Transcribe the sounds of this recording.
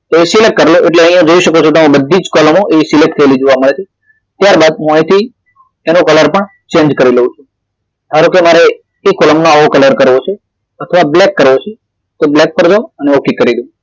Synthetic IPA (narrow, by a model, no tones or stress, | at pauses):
t̪oesilek̚ʈ̚kəɾeloʔeʈleəɦĩjãd͡ʒoiʃəkot͡ʃʰokeɦũbəd̪ʱːid͡ʒkɔləmoʔeisilek̚ʈt̪ʰəelid͡ʒoʋaməɭet͡ʃʰe | t̪jaɾbad̪̚ɦũãĩt̪ʰi | enũkələɾpəɳ | t͡ʃẽɲd͡ʒkəɾiləɦũt͡ʃʰũ | t̪ʰaɾokemaɾeː | kɔləmnoaʋokələɾkəɾʋot͡ʃʰe | ət̪ʰəʋablɛkːəɾʋot͡ʃʰe | t̪oblɛk̚pəɾd͡ʒaoəneokikːəɾid̪ũ